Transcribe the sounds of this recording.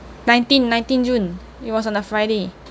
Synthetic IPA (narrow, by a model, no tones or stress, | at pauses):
nãj̃ntĩnːãɪj̃ntĩnd͡ʒũn | itwɔs̬ɔ̃ndəfɹajde